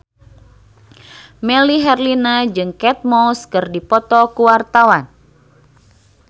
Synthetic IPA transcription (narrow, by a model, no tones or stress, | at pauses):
mɛliɦɛrlinad͡ʒɨŋkɛt̪̚mɔlskɨrdipɔt̪ɔkuwart̪awan